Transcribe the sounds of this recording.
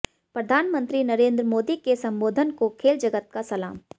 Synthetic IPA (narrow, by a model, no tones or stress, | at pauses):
pɾɐd̪ʱaːnmə̃nt̪ɾinɐɾẽːnd̪ɾəmoːd̪ikesɐ̃mboːd̪ʱənkokʰeːld͡ʒɐɡət̪̚kasɐla̰ːm